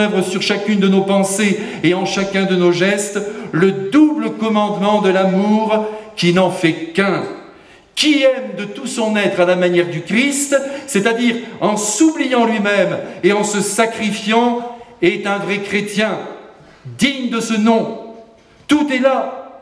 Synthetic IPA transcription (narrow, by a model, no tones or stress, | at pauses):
əvʁəsyʁʃakʲynd̪ənopɑ̃se | eɑ̃ʃakʲɛ̃d̪ənoʒɛst̪ləd̪ubləkɔmɑ̃d̪mɑ̃d̪əlamuʁkʲinɑ̃fɛkɛ̃ | kʲiɛmd̪ət̪usɔ̃nɛt̪χalamanjɛʁd̪ykχist̪sɛt̪ad̪iʁɑ̃sublijɑ̃lɥimɛmeɑ̃səsakχifjɑ̃ɛt̪ɛ̃vʁɛkχet̪jɛ̃ | d̪iɲd̪əsənɔ̃ | t̪ut̪ɛla